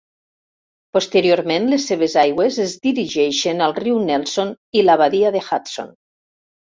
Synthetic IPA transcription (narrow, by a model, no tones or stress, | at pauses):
post̪eɾioɾmẽnlesːeβ̞ezajɣwezezðiɾiʒɛʃenalˠriwnɛlˠson | ilaβaðiaðexat̪so̰n